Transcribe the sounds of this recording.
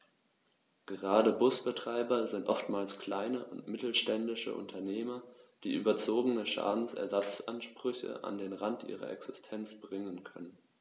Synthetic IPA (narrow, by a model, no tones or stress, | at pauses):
ɡ̥əʁaːdəbʊsb̥ətʁ̥aɪbɐzɪntʔɔftmaːlskʰl̥aɪnəʔʊntmɪtl̩ʃtɛndɪʃə̰ʔʊ̰ntʰɐneːmɐd̥iːʔy̰ːbɐt͡soːɡənəʃa̰ːdn̩sʔɛ̰ɐzat͡sʔanʃpʁ̥ʏçə̰ʔa̰ndeːnʁantʔḭːʁɐ̰ʔɛ̰ksɪstʰɛnt͡sb̥ʁɪŋənkʰœnən